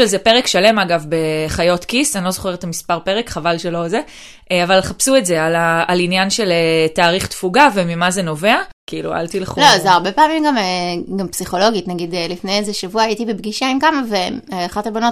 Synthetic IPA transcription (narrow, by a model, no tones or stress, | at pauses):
elzepeʁekʃale̞maɡavbe̞χajo̞tkisanilo̞zoχe̞ʁet̪amispaʁpe̞ʁekχavalʃelo̞ze | ʔavalχapsuetze̞alaalinjanʃe̞letaːʁiχt̪fuɡavemimazeno̞ve̞akiilṵa̰lt̪ileχulozeaʁbepaːmimɡameɡampsiχo̞lo̞ɡitnaɡid̪elifnejezeʃavuajitibebɡiʃaimkamaveaχatabono